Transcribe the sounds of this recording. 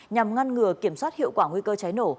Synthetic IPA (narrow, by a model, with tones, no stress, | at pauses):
ɲa˨˩mŋa˧nŋɨ˨˩əki˧˩əmswaː˦˥t̚hḭ˧˨wkwaː˧˩ŋwi˧kəː˧t͡ɕa˨˦jno˧˩